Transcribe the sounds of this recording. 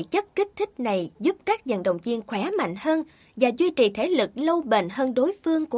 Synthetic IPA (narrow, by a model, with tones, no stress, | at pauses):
t͡ɕə˦˥t̚kï˦˥k̟̚t̪ʰï˦˥k̟̚na˨˩jzu˦˥p̚kaː˦˥k̚zə̰˧˨˩nɗə̰˨wŋ͡mvi˧ənxwɛː˧˨˦ma̰˧˨jŋ̟həː˧n | vaː˨˩zwi˧t͡ɕi˨˩t̪ʰe˨˩˦lɨ˨˩k̚lə˧wɓḛ˧˨nhəː˧nɗo˨˦jfɨ˧əŋku˧˩